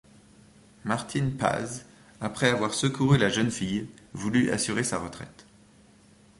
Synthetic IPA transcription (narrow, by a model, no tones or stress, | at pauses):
maʁt̪ʰinpa̰z | apχɛavwaʁsəkʰuʁylaʒənfijvulyʔa̰syʁesaʁət̪χɛ̰t̪